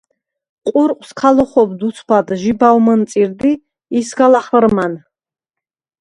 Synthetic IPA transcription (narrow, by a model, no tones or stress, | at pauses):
qʼuɾqʼskʰalɔχɔbd̪ut̪sʰpʰad̪ʒibawmənsʼiɾd̪iː | sɡalaχrman